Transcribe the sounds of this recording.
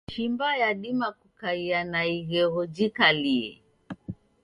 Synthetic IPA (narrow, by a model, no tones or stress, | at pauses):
ʃimbajaɗimakukaianaiɣɛɣɔd͡ʒikaliɛ̰